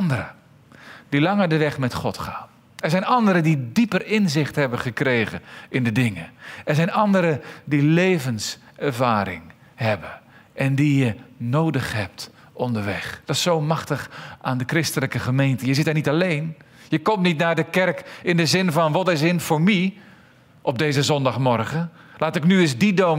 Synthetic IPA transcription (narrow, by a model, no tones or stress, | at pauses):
ndəɾə | d̥ilɑŋəɹdəʋɛχmɛtχɔtχa̰ːn | ɛɹzɛjnɑndəɾədidipərɪnzɪχtɦɛbəχəkrejχə̰nɪndədɪŋəɛɹzɛjnɑndəɾədilejvənsɛɹvaːɾɪ̰ŋ | hɛbənʔɛndijənowdəχɦɛp̚t | ʔɔndəɹʋɛχd̥ɑsowmɑχtəχʔaːndəkrɪstələkəχəmejntəjəzɪtaɹnitɑlejn | jəkɔmtnitnaːɹdəkɛɹkɪndəzɪnvɑnʋɑtɪs̬ɪnfʊɹmi | ʔɔp̚dejzəzɔndɑχmɔɹχəlaːtɪknyɪzdido